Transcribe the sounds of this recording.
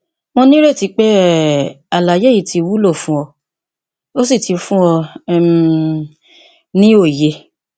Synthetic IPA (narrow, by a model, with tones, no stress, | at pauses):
mõ˧nĩ˦ɾe˦˨ti˨˧˦k͡pe˦ | a˨la˨je˦i˦˨tʰi˨˧wu˦lo˦˨fũ˦ɔ˧ | o˦s̬i˦˨ti˨˧fũ˦ɔ̃˧˦ | nĩ˦o˦˨je˧˨